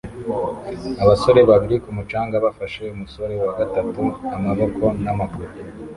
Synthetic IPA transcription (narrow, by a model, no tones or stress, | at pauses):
aβaso̞ɾe̞βaβiɾikumut͡ʃaːŋɡaβafaʃe̞umuso̞ɾe̞waɡatatuamaβo̞kʰo̞namaɡuɾu